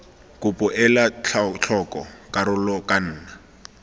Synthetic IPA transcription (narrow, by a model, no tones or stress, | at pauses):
kʊpʼʊʔɛlat͡ɬt͡ɬʰɔkʼɔkaɾʊlɔkʼan̩ːna